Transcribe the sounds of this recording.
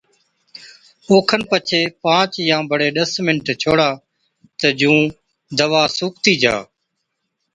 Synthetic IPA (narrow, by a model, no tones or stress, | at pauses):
oːkʰənpət͡ʃʰeːpãːt͡ʃjãːbəɽeːɗəsmɪnʈt͡ʃʰoːɽaː | t̪əd͡ʒũː | d̪əʋaːsuːk̚t̪iːd͡ʒa̰ː